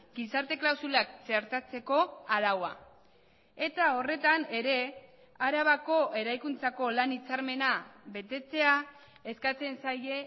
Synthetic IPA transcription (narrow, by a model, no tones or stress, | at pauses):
ɡisaɾt̪e̞klawsulak̚t͡se̞ɾt̪at͡se̞ko̞aɾawa̰ | e̞t̪ao̞re̞t̪ane̞ɾe̞ | aɾaβ̞ako̞ʔe̞ɾajkunt͡sako̞lanit͡saɾme̞naβe̞t̪e̞t͡se̞a | e̞skat͡se̞nsaje